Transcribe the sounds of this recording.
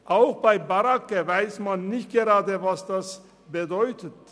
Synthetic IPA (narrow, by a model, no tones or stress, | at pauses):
ʔaʊxb̥aɪbaʁakəvaɪsmanːɪçt̚ɡ̥eʁaːdəvasd̥as | b̥ədɔʏtət